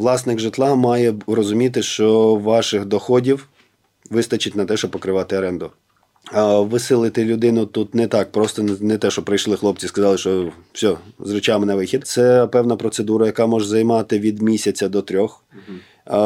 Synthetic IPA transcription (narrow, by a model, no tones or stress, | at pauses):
lˠɑsnɪɡʒɪt̪lˠɑmɑjɛrɔzʊmʲit̪̬ɪʃt͡ʃɔʋɑʃɪxd̪ɔxɔdʲiw | ʋɪst̪ɐt͡ʃɪtʲnɐt̪ɛʃt͡ʃɔb̚pɔkɾɪʋɑt̪ɪɐɾɛnd̪ʊ | ʋɪsɪlˠɪt̪ɪlʲʊd̪ɪnʊt̪ut̪nɛt̪ɑk̚pɾɔst̪ɔnɛt̪ɛʃt͡ʃɔpɾɐjʃlˠɪxlˠɔp̚t͡sʲiskɐzɑlˠɪʃt͡ʃɔfsʲɔzɾʊt͡ʃɑmɪnɐʋɪxʲid̪t̪sɛpɛwnɐpɾɔt̪sed̪uɾɐjɐkɑmɔʒzɐjmɑt̪ɪʋʲid̪mʲisʲɐt͡sʲɐd̪ɔt̪ɾʲɔx